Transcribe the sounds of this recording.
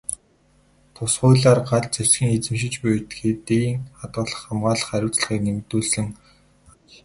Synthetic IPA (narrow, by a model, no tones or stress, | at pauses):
t̪ʰʊsχʊːɮaːrɢaɮt͡sæ̥sxʲĭːŋet͡sɘ̆mʃɪ̆t͡ɕpʊjt̪xet̪iŋχat̪ɢə̆ɮə̆χːamɢaːɮə̆χaɾʲʊːt͡sɮə̆χiːknemt̪uːɮsɘ̆ŋ